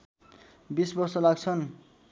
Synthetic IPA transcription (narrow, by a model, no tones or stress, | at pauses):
bisbʌrsʌlaɡt͡sʰʌn